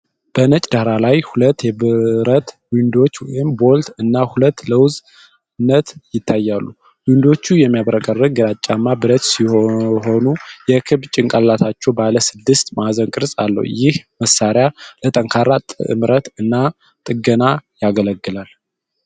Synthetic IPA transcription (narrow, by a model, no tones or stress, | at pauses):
b̥ənət͡ʃʼd̪ahɾalajhulət̪ːjɛbɾət̪wind̪o̞t͡ʃːwɔjɪmbolt̪ɨnːahulət̪ːləwz | nːət̪jɪt̪ʰːajːalːu | wind̪o̞t͡ʃːujɛmːijaβɾəkʼərːɨɡ̚ɡɨɾat͡ʃʼːamːabɨɾət̪siho̞nujɛkʰɨβt͡ʃʼɪŋkʼallat̪ʰat͡ʃːɛwbaləsɨd̪ːɨst̪mazənkʼɨɾsʼalːə̰w̰jɪhməsːaɾjalət̪ʼəŋkʰaɾːat̪ʼmɾət̪ɨnːa | t̪ʼɨɡənajaɡələɡːɨlal